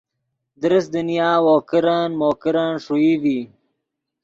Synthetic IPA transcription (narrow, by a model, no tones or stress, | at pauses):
d̪ɾɪsd̪unjaːwoːkɪɾanmoːkɪɾaːnʂuiwi